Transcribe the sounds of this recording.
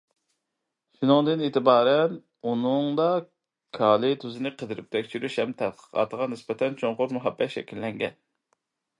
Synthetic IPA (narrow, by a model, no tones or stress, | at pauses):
ʃynʊŋd̪ɨneːt̪ʰɪbɑːɾɛn | unɨŋd̪ɑ | kʰɑːlˠɪt̪ʰøzɪnɨqʰəd̪ɪɾɪp̚t̪ʰɛkʲʃyɾyʃhɛmt̪ʰɛt̪̚qə̥qʰɑ̰ːt̪əʁɑnɪsbɛt̪ʰɛnt͡ʃʰoŋqʊɾmuɦɛbːɛt̪ʃɛ̰kʲillɛŋɡʲɛ̰n